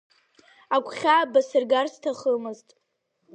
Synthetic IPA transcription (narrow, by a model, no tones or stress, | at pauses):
akʷʰʼχʲabasɨrɡarstʰaχəmɨztʼ